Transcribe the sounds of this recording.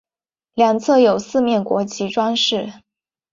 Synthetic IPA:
ljɑ˨˩ŋt͡sʰɤ˥˩jo˨˩ʊsɹ̩˥˧mjɛ˥˩nkwɔ̰˧˥t͡ɕʰi˧˥ʈ͡ʂwa˥nʂɻ̩˥˩

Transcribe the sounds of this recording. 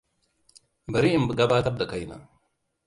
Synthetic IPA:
bɐ˨ɾi˦i˦mbə˨ɡa˦baː˦t̪ɐ˦b̚d̪ɐ˨ka˨jna̰

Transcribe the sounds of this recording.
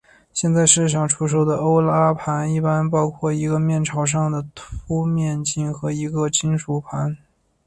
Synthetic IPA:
ɕjɛ˥˧nt͡sa˥˧ɪʂɻ̩˥˩ʂ̬ɑ˨˩ŋʈ͡ʂʰu˥ʂ̬o˧˥ʊd̪ə˨o˥ʊla˥pʰa˧˥ni˥˩pa˥npɑ˥ʊkʰwɔ˥˩i˧˥ɡə˧mjɛ˥˩nʈ͡ʂʰɑ˨˧˩ʊʂ̬ɑ˥˩ŋd̪ə˩t̪ʰu˥mjɛ˥˧nt͡ɕi˥˩ŋxɤ˧˥i˧˥ɡə˧t͡ɕi˥ŋʂu˨˩pʰa˧˥n

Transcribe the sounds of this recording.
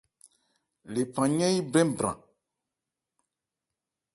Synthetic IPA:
le˨pã˨ɲɛ̃˦ji˦bɾɛ̃˦mbɾã̰˨

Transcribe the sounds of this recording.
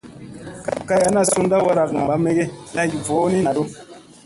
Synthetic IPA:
ka̰˨ka˦ja˦na˦˨su˦nda˦wa˦ɾa˨kŋa˨ba˨˦me˦ɡe˦la˦ɡi˨vo˨˦ni˦na˨do˦

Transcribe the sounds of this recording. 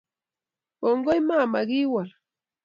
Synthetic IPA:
ɔ˨ŋɡɔ˦jma˦˨ma˨ɣi˦wa˨l

